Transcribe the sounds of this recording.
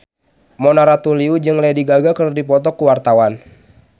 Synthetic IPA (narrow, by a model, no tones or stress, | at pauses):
mɔnaɾat̪uliud͡ʒɨŋlɛdiɡaɡakərdipɔt̪ɔkːuwart̪awan